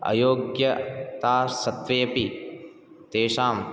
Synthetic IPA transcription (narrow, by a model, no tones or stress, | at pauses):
ɐ̰joːɡjɐt̪aːsɐt̪ʋɐjɐpi | t̪eːʂaːm